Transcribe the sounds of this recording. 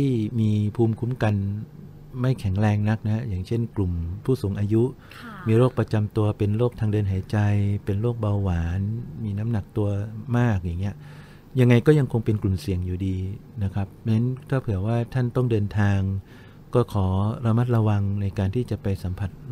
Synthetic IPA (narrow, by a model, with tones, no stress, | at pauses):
t̪ʰiː˥˩miː˧pʰuː˧mkʰu˦˥mka˧n | ma˥˩jkʰɛ˩˦ŋɾɛː˧ŋna˦˥k̚na˦ha˥jaː˨˩ŋt͡ɕʰe˥˩nklu˨˩mpʰuː˥˩suː˩˦ŋʔaː˧ju˦˥ʔ | miː˧ɾoː˥˩k̚pɾa˧t͡ɕa˧mt̪u˧ɐpe˧nɾoː˥˩k̚t̪ʰaː˧ŋdɤː˧nɦaː˩˦jt͡ɕa˧jpe˧nɾoː˥˩k̚ba˧wːaː˩˦nmiː˧na˦˥mna˨˩k̚t̪u˧ɐmaː˥˩k̚jaː˨˩ŋːi˦˥ɐʔ | ja˧ŋːa˧jkɔː˥˩ja˧ŋkʰo˧ŋpe˧nklu˨˩msi˨˩əŋjuː˨˩diː˧na˦˥kʰɾa˦˥p̚ne˦˥nt̪ʰaː˥˩pʰɯ˨˩˦əwaː˥˩t̪ʰa˥˩nt̪ɔ˥˩ŋdɤː˧nt̪ʰaː˧ŋ | kɔː˥˩kʰɔː˩˦ɾa˧ma˦˥t̪̚ɾa˧wa˧ŋna˧jkaː˧nt̪ʰiː˥˩t͡ɕa˨˩ʔpa˧jsa˩˦mpʰa˨˩t̪̚